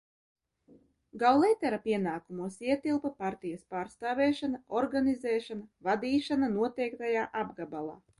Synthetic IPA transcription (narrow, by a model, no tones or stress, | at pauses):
ɡawlˠɛjt̪ɛɾapʲiɛnaːkumuɔsiɛt̪ilˠpapaɾt̪ijaspaːɾst̪aːvɛːʃanaɔɾɡanizɛːʃanavad̪iːʃananuɔt̪ɛjkt̪ajaːʔabɡabalˠa̰ː